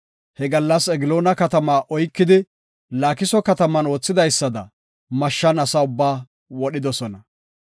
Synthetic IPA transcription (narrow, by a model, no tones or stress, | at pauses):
hɛɡɐlːɐsɛɡɪlo̞ːnɐkɐt̪ɐmaːʔɔjkːɪd̪ɪ | laːkɪsɔkɐt̪ɐmɐno̞ːt͡sːɪd̪ɐjsːɐd̪ɐ̰ | mɐʃːɐnɐsɐʊbːaː | wɔɗɪd̪ɔsɔnɐ